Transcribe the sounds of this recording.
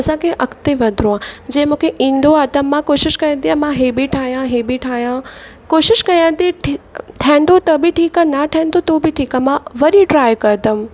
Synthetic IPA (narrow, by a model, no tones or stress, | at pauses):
ɐsãkʰeʔɐkt̪eʋɐ̃d̪ʱɾõãːd͡ʑɐ̃ːɪ̃mũːkʰeʔĩːn̆d̪oad̪əmːãkoːʃɪʃkɐjə̃nt̪iãmãɦebiʈʰaːɦijãɦebiʈʰaːjã | koːʃɪʃkɐjãt̪iʈiʈʰɛ̃ːn̆d̪ot̪ɐbɪʈʰiːkanɐʈʰɛ̃ːnd̪ot̪obɪʈʰiːkamãʋɐɾiʈɾaːjkɐɾt̪ɐm̃